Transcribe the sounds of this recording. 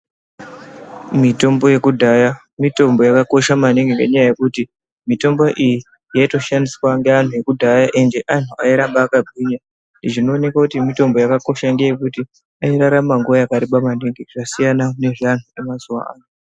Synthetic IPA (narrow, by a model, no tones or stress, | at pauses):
mito̞mbo̞je̞kudʱaja | mito̞mbo̞jakako̞ʃamaneŋɡeŋɡe̞̰ɲajaje̞kuti | mito̞mbo̞ʔiji | jaito̞ʃandiswaŋɡe̞an̤uje̞kudʱajaʔend͡ʒe̞ʔan̤uaiɾambaːkabʱiɲa | ndiʐino̞ːne̞kakutimito̞mbo̞jakako̞ʃaŋɡejekuti | aiɾaɾamaŋɡuajakaɾiɓamaneŋɡeʐ̥asijanaune̞ʐan̤uemazuwa̰a̰ːno